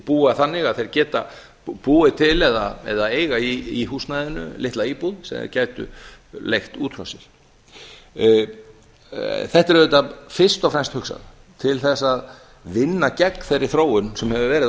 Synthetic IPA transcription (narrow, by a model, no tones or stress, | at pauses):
puːaθanːɪɣaðθejɾcɛːt̪a | puːɪt̪ʰɪlɛða̰ɛ̰ðaeːjɣaiiɦuːsnajðɪnʏ̰lɪht̪laiːpuðsɛ̰caːjt̪ʏ̰lejxt̪uːt̪ʰɾɔ̰wsɪɾ̥ | θɛht̪ɛɾœʏt̪afɪr̥st̪ɔfɾɛmst̪hʏksa̰ð | t̪ʰɪlθɛsːað | vɪnːacɛkθejrːɪ̥θɾoːwʏnsɛmhɛvʏvɛːɾɪ